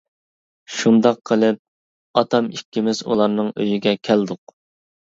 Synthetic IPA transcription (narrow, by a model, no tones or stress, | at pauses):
ʃund̪ɑqʰːəlˠɪp̚ | ɑt̪ʰɑmikʲːimɪzṵlˠɑɾnɨŋø̰jyɡʲɛkʲʰæld̪ʊq